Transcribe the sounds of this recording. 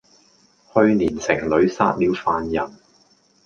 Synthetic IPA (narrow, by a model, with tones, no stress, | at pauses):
hɵ˧ɥniː˨˩nsɪ˨˩ŋlɵ˨˧˥ɥsa̰ː˥t̚liː˨˧wfaː˧njɐ˨˩n